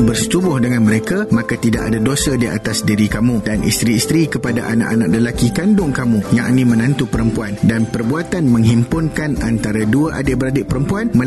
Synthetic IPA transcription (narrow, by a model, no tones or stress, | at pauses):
bərsə̥t̪ubʊhdəŋãnmə̃ɾekamãkat̪ida̰ʔa̰dadosədia̰t̪asdiɾikamũdanʔḭst̪ɾiːst̪ɾikəpada̰ʔanã̰ʔanaʔ̚ləlakikandʊŋkamũjaʔnĩmə̃nãnt̪upəɾəmpuandanpərbuat̪anmə̃ŋɦimpʊnkanant̪aɾaduaʔadɪʔbəɾadɪʔpəɾəmpuanmə̃